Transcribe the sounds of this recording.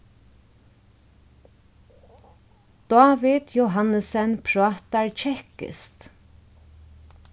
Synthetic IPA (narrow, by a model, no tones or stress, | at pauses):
d̪̥aːvɪd̪joɦanəsɛnpʰɾat̪aɹt͡ʃʰɛhkɪ̰st̪